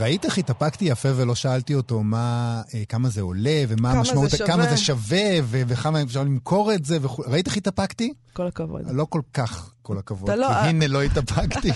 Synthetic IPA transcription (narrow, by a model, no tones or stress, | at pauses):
ʁait̪eχitapakt̪ijafevelo̞ʃaaltio̞to̞maekamazeole̞ve̞maːmaʃmautkamazeʃave̞veveχamamefʃaʁlimkʰo̞ʁetze̞veχulʁaiteχitapakti | kokavo̰dlo̞ko̞lkaχkolakavodiɦinelo̞itapʰakti